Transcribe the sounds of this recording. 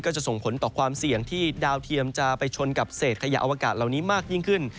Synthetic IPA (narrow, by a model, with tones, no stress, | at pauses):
kɔː˥˩t͡ɕa˨˩ʔso˨˩ŋpʰo˩˦nt̪ɔː˨˩kʰwaː˧msi˨˩əŋt̪ʰiː˥˩daː˧wt̪ʰi˧əmt͡ɕa˨˩pa˧jt͡ɕʰo˧nka˨˩p̚seː˨˩t̪̚kʰa˧ja̰˦˥ʔa̰˧wa˧kaː˨˩t̪̚la˨˩wniː˦˥maː˥˩k̚ji˥˩ŋkʰɯ˥˩n